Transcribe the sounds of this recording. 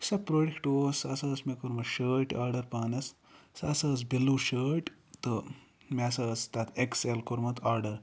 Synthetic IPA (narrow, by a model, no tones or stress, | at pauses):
sɐpɾoːɖekʈoːsɐsɐːsmekoɾmɐt̪ʃəːʈaːɾɖɐɾpaːnɐs | sɐsɐːsbilːuʃəːʈ | t̪ɨ | mʲesɐːst̪ɐt̪ʰekselkoɾmɐt̪ʰaːɾɖɐɾ